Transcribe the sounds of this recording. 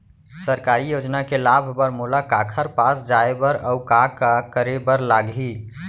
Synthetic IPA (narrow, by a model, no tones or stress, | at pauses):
səɾkaːɾijoːd͡ʒnakelaːbʱbəɾmolakaːkʰəɾpasd͡ʒaebəɾɔʊkakakəɾebəɾlaːɡi